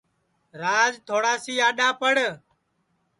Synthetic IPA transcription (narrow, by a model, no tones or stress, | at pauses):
ɾaːzt̪ʰoːɽaːsiːaːɗãːpəɽ